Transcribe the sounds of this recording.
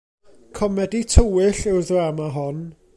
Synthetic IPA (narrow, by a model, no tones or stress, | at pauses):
kʰɔmɛditʰəwɪɬɪwðamaɦɔn